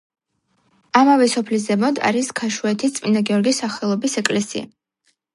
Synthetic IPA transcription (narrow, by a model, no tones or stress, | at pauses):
amavɛsɔpʰlis̬zɛmɔd̪a̰ɾiskʰaʃuɛt̪ʰist̪sʼminaɡɛɔɾɡisaχɛlˠɔbisɛkʼlɛsḭa̰